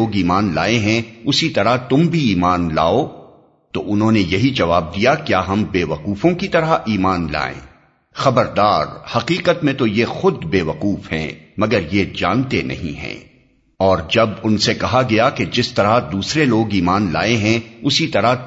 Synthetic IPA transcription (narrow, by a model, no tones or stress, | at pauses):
oːɡiːmaːnlaːeɦɛ̃ʊsit̪ɐɾat̪ʊmbʱiiːmaːnla̰ːo | t̪oʔʊnɦõnejɐɦid͡ʒɐʋaːb̚d̪ijakjaːɦɐ̃mbeːʋɐquːfõkit̪ɐɾaʔiːmaːnla̰ːḛ̃ː | xɐbəɾd̪aːɾhɐqiːqət̪mẽt̪ojexʊd̪beːʋɐquːfɦɛ̰̃mɐɡəɾjed͡ʒa̰ːnt̪enɐ̰ɦĩɦɛ̰̃ː | ɔːɾd͡ʒɐbʊnsekɐɦaɡɐjaked͡ʒɪst̪ɐɾad̪uːsɾeloːɡiːmaːnla̰ːeɦɛ̃ʊsit̪ɐɾa